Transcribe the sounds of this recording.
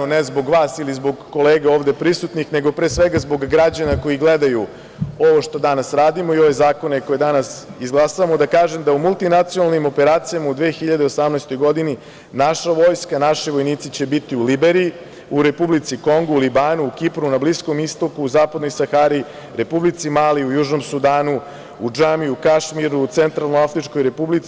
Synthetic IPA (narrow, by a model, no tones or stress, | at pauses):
onezbo̞ɡʋaːsilizbo̞ɡːo̞leːɡao̞ːʋd̪e̞pɾisut̪nixne̞ɡo̞pɾeːsʋeɡazbo̞ɡːɾad͡ʑanako̞jiɡled̪aju | o̞ʋo̞ʃt̪o̞d̪anasɾaːd̪imoio̞ʋezaːko̞neko̞jed̪anasizɡlˠasaʋamo̞d̪akaːʒe̞md̪aumulˠt̪inat̪sionalnimo̞pe̞ɾaːt̪sijamaud̪ʋeːxiʎad̪e̞o̞samnɛjst̪ojɡo̞d̪ini | naʃaʋo̞ːjskanaʃiʋo̞jniːt̪sit͡ɕe̞bit̪iulibeɾi | uɾe̞publit̪siko̞ŋɡuulibaːnuːkipɾunablisko̞mist̪o̞kuːzaːpad̪no̞jsaxaːɾi | ɾe̞publit̪simaːliujuːʒno̞msud̪aːnu | ud͡ʒamiukaʃmiɾuːt̪sent̪ɾalˠnoafɾit͡ʃkojɾe̞publit̪s